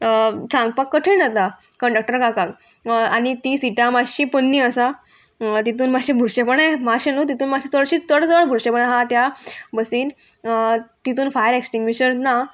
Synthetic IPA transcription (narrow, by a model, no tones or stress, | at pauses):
t͡ɕãŋɡ̚pakːəʈʰenət̪a | kəɳɖək̚ʈəɾkakak | añit̪isiʈjãmad͡ʑɕiːpənːiːəsa | t̪it̪uːnmaɕĩbʱuɾɕepəɳɛmaɕenut̪it̪uːnmaɕit͡s̪əɭɕiːt͡s̪əɽt͡səəɭbʱuɾɕepəɳɦat̪jabəsiːn | t̪it̪̬uːnfajəɾeksʈiŋɡʋit͡ɕəɾt̪na